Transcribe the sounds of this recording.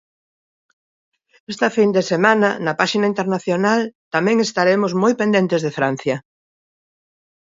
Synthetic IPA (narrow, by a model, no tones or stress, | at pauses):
est̪ɐfind̪esemãnɐnɐpaʃinaint̪eɾnaθjonalt̪amɛ̃ŋest̪aɾemozmojpend̪ent̪ezðefɾan̟θjɐ